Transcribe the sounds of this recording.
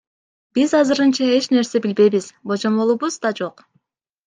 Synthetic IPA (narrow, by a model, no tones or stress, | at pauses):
b̥izɑzɯɾɯnt͡ʃɑe̞t͡ʃne̞ɾse̞bilbe̞jβiz̥bo̞d͡ʒo̞mbo̞lˠuβuzd̪ɑd͡ʒo̞q